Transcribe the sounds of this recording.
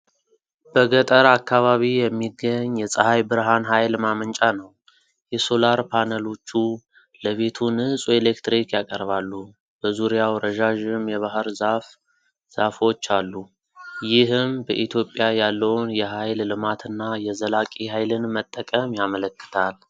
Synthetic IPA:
b̥əɡət̪ʼəɾakːaβaβijɛmːiɡəɲːjɛsʼəhajbɨɾɦanɦajlmamənt͡ʃʼanəw | jɛso̞laɾpʰanəlo̞t͡ʃːu | ləβe̞t̪ʰunɨsʼuelekt̪ɾikjakʼəɾβalːu | b̥əzuɾjawɾəʒaʒɨmjɛβaɦɨɾzaf | z̥afo̞t͡ʃːalːu | jɪhɨmbəʔit̪ʰjo̞pʼːjajalːəwnjɛɦajlːɨmat̪ʰɨnːajɛzəlakʼihajlɨnmət̪ʼːəkʼəmjamələkːɨ̥t̪ʰal

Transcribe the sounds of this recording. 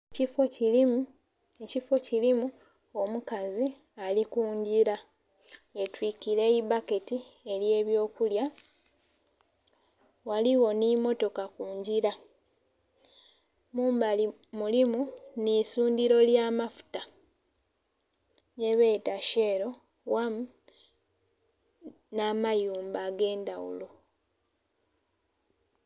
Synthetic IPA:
ecifoiim | ecifo̞cilimu | o̞mukazi | alikuːɲɟiɾa | etwikiɾe̞ibake̞tie̞lje̞ːβjo̞ːkulja | waliwo̞nimo̞to̞kakuːɲɟiɾa | muːmbali | mulimunisuːndiɾo̞ljaːmafu̥ta | je̞βe̞ːtaʃe̞ːɾo̞ | wamu | naːmajuːmbaɡe̞ːndawṵlo

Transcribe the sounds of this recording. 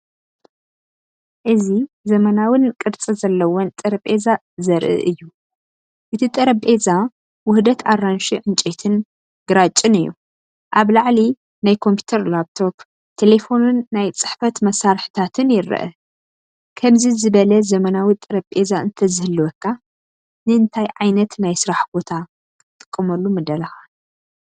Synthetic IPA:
ʔɨzi | zɐmɐnawɨnkʼɨɾt͡sʼizɐlːɐwont̪ʼɨɾɐpʼe̞za | zɐɾʔɨ̰ʔɨjːu | ʔɨt̪ʰit̪ʼɨɾɐbʼe̞za | wʊhd̪ɐt̪ʰarːanʃiʕɨnt͡ʃʼet̪ʰɨn | ɡ̥ɨɾat͡ʃʼːɨnɨjːṵ | ʔaβlaʕli | najkʰo̞mpʰi̥t̪ʰɐɾlab̚t̪ʰo̞p | t̪ʰe̞le̞fo̞nɨnːajt͡sʼɨħfɐt̪mɐsaɾħɨ̥t̪ʰat̪ʰɨnjɪɾɨ̰ʔɐ̰ | kʰɐmzizɨβɐlɐzɐmɐnawit̪ʼɨɾɐbʼe̞zaɨnt̪ʰɐzɨhɨlːuwɐkʰːa | nɨɨnt̪ʰajʕajnɐt̪najsɨɾaħbo̞t̪ʰa | kʰʼɨt̪ʼɨkʼːɨmɐlːumɨd̪ɐlɐxa

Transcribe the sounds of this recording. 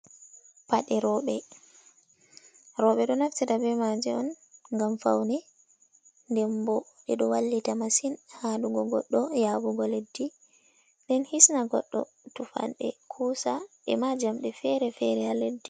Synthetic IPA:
paɗɛɾɔɓɛ | ɾɔɓɛɗɔnaftitabɛmad͡ʒɛɔn | ŋɡamfa̰wnɛ | ndɛmbɔɗɛɗɔwalːitamasinhaɗuɡɔɡɔ̰ɗːɔjaːɓuɡɔledːi | ɗɛnhisnaɡɔ̰ɗːɔ̰ | tufa̰nɗɛ̰kʰuːsaɗɛmad͡ʒamɗɛfɛɾɛfɛɾɛaledːi

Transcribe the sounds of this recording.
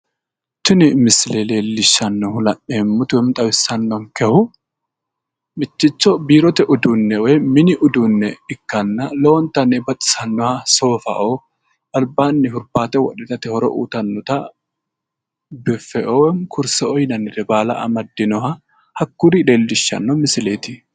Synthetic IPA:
t͡ʃːʊnɪmɪslele̞ːlːɪʃːɐnːɔhʊlɐʔemːʊt̪ʊwɛmt̪ʼɐwɪsːɐnːɔmkɛhʊ | mɪt͡ʃːɪt͡ʃːɔbiːɾɔt̪ɛʔʊd̪unːɛwɔjmɪnɪʔʊd̪unːɛɪkːɐnːɐlɔwɔnt̪ːɐnɛbɐt̪ʼɪ̥sɐnːɔhɐso̞ːfɐ̰ʔo | ɐlbaːnːɪhʊɾbaːt̪ɛwɔ̰ᶑɛt̪ɐt̪ɛhɔɾɔ̰ʔṵːt̪ɐnːɔt̪ɐ | bɛfɛʔɔwɛmkʰʊɾsɛɔjnɐnːɪdɛbaːlɐ̰ʔɐ̰mɐd̪ːɪnɔhɐ | hɐkːʊɾɪleːlːɪʃːɐ̰nːɔmɪsɪleːt̪ɪ

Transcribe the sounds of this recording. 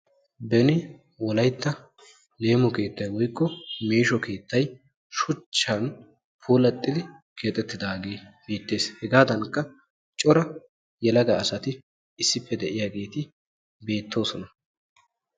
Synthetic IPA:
bɛnɪ | wɔlɐjt̪ːɐ | le̞ːmɔke̞ːt̪ːɐjwɔjkːɔmeːʃɔke̞ːt̪ʰːɐj | ʃʊt͡ʃːɐn | pʰuːlɐt̪ʼːɪd̪ɪkʰe̞ːt̪ʼːɛt̪ːɪd̪aːɡe̞ːbeːt̪ːe̞ːshɛɡaːd̪ɐnkːɐ | t͡ʃʼɔɾɐ | jɛlɐɡɐːsɐt̪ɪ | ɪsːɪpːɛd̪ɛʔɪjaːɡe̞ːt̪ɪ | be̞ːt̪ʰːo̞ːsɔnɐ

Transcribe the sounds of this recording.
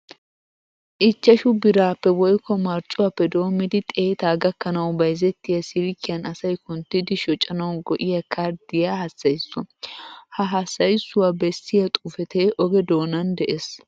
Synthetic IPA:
ʔɪt͡ʃːɐʃʊbɪɾaːpːɛwɔjkːɔmɐɾt͡ʃʼʊwapːɛd̪o̞ːmːɪd̪ɪt̪ʼeːt̪aːɡɐkːɐnɐwbɐjzɛt̪ːɪjɐsɪɾkːɪjɐnɐsɐjkʊnt̪ːɪd̪ɪʃɔt͡ʃʼːɐnɐwɡɔʔɪjɐkʰʼɐɾd̪ɪjɐhɐsːɐjsːʊɐhɐɦɐsːɐjsːʊwabɛsːɪjɐt̪ʼufɛt̪eːʔɔɡɛd̪o̞ːnɐnd̪ɛʔes

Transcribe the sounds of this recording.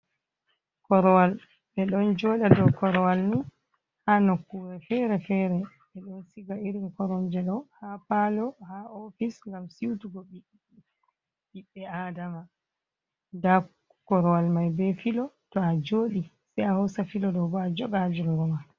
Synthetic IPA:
kɔɾɔwal | ɓɛɗɔnd͡ʒɔːɗadɔkɔɾɔwalni | hanokːuwɛfɛɾɛfɛɾɛ | ɓɛɗɔnsiɡaiɾinkɔɾɔnd͡ʒɛɗɔhapalɔhaofisŋɡamsiwtuɡɔɓiɓ | ɓiɓːɛaːdama | da | kɔɾɔwalmajbɛfilɔtɔad͡ʒoːɗi | sɛjahɔsafilɔɗɔbaad͡ʒɔɡad͡ʒuŋɡɔma

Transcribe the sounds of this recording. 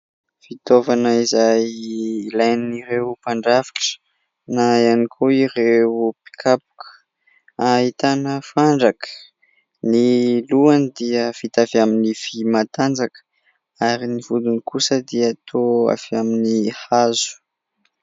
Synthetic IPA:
fit̪ovanəizajlajniɾeupaɳɖ͡ʐavi̥ʈ͡ʂə̥ | najanikʰoiɾeupi̥kʰapu̥kə̥ | ahit̪anəfaɳɖ͡ʐakə̥ | niluand̪iəv̥it̪avaminifimat̪and͡zakə̥ | aɾinivud̪unikusəd̪iəːt̪ʰoa̰faminihazu̥

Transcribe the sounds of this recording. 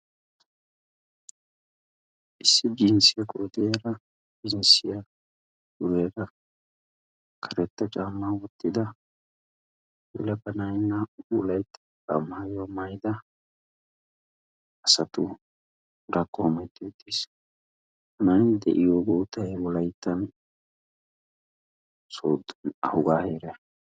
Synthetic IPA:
ʔɪsːɪd͡ʒɪnsɪjɐkʼoːd̪eːɾɐ | d͡ʒɪnsɪjɐ | dʊweːɾɐ | kʰɐɾɛt̪ːɐt͡ʃʼaːmːaːwɔt̪ːɪd̪ɐ | wɛ̰lɐbɐnɐjnːɐbulɐjt̪ːɐ̥kɐ̰majomɐjd̪ɐ | ɐsɐt̪ʊ | ɾɐkʼːomɐjt̪ːot̪ːis | mɐnnd̪ɛʔɪjoːɡuːt̪ɐjwɔlɐjt̪ːɐn | soːd̪nɐ̰hʊɡaːheːɾɛ

